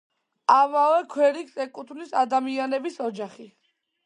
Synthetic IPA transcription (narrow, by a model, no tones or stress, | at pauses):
amavɛkʰwɛɾiksɛkʼut̪ʰnisad̪amianɛbisɔd͡ʒaχi